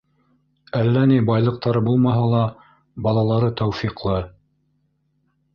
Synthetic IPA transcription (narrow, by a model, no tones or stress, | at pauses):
ælːænibɑjlˠɤ̆q̚t̪ɑɾɤbulˠmɑɦɑlˠɑ | bɑlˠɑlˠɑɾɤt̪owfiqlˠɤ